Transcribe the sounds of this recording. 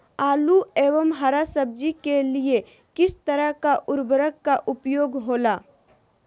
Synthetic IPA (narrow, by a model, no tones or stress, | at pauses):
aːlueːʋəmɦaɾasəb̚d͡ʒikelie | kɪst̪əɾəɦkaʔʊɾbəɾəkːaʔʊpjoːɡɦoːlaː